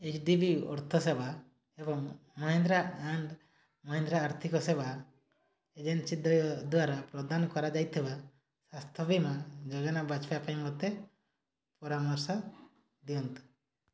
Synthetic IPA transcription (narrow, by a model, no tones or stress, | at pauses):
et͡ʃɖibiɔ̰ɾt̪ʰɔseba | ebɔŋmɔɦind̪ɾaaɳɖ | mɔɦĩnd̪ɾaːɾt̪ʰikɔseba | ed͡ʒensid̪ɔjɔd̪uaɾapɾɔd̪anɔkɔɾad͡ʒajt̪ʰiba | sast̪ʰɔbimad͡ʒɔɡanabat͡ʃpajapaĩmɔt̪ːe | pɔɾamɔɾsa | d̪iɔnt̪i̥